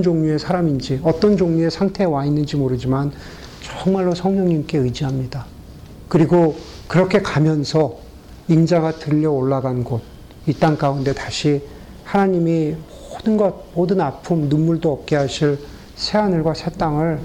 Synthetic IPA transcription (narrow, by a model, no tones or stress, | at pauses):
nd͡ʑoŋɲue̞sʰaɾamind͡ʑiʌt͈ʌnd͡ʑoŋɲue̞sʰaŋtʰe̞ːwainːɯnd͡ʑimoɾɯd͡ʑiman | t͡ɕʌŋmaɭːosʰʌŋɲʌŋɲimk͈e̞ɯd͡ʑiɦamɲida | kɯɾiɡo | kɯɾʌkʰe̞kamjʌnsʰʌ | ind͡ʑaɡatɯʎːʌoɭːaɡanɡod̚ | it͈aŋkaunde̞taɕʰi | hanaɲimi | odɯnɡʌd̚modɯnapʰumnunːuɭdoʌp̚k͈e̞ɦaɕʰiɭ | sʰeanɯɭɡwasʰet͈aŋɯɭ